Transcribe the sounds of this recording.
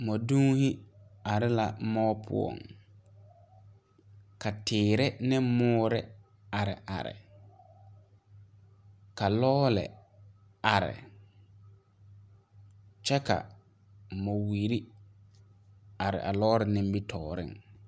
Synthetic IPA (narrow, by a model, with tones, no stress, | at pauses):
mɔ˨duː˦hɪ˦a˨ɾɪ˦la˨mɔː˦pʰʊ̰˨ɔ̰˨ŋ | ka˨tʰɪː˨ɾɪ˦nɪ˦mːʊː˦ɾɪ˦ | a˨ɾɪ˨ʔa˨ɾɪ̰˨ | ka˨lɔː˦lɛ̰˨ | a˨ɾɪ̰˨ | t͡ʃɛ˦ka̰˨ | mɔ˨wiː˨ɾi˦ | a˨ɾɪ̰˨ʔa˨lɔː˦ɾɪ˨nɪ̃˦m˦bi˦tʰɔː˨ɾɪ̰˦˨ŋ